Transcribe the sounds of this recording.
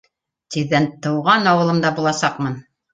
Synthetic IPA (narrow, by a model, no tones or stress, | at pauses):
t̪iðːænt̪ɤ̆wʁɑnɑwɤ̆lˠɤmd̪ɑbulˠɑsɑqmɤn